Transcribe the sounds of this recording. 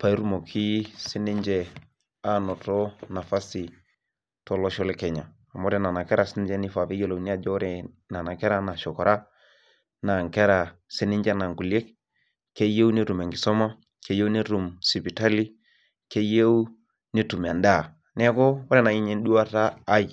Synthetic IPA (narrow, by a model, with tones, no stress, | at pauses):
pa˨i˦ɾu˦mo˨kʰi˦si˦ni˦ɲd͡ʒɛ˨ | a˦nɔ˨tɔ˦na˨fa˦si˨ | tɔ˦lɔ˦ʃɔ˦lɛ˦kɛ˨ɲa˨ | a˨mɔ˦ɾɛ˨na˨na˨kɛ˦ɾa˨si˦ni˦d͡ʒɛ˦ni˦fa˨pi˦jo˨lo˨ni˦a˦d͡ʒɔ˦ɾɛ˨na˨na˨kɛ˦ɾa˦na˨ʃɔ˨kɔ˨ɾa˦ | na˨ŋkɛ˦ɾa˨si˦ni˦ɲd͡ʒɛ˦na˨ŋku˨le˦k̚ | ke˦je˦u˦ni˦ɾu˨me˨ŋɡi˨sɔ˦ma˦ | ke˦je˦ni˦ɾu˨msi˨pi˨ta˦li˦ | ke˦je˦u˦ | ni˦tu˨m˨a˨nda˦˨ | nɛ˦kɔ˦wɔ˦ɾɛ˦˨na˨i˦ɲɛ˦n˦ɗu˦a˦taː˦j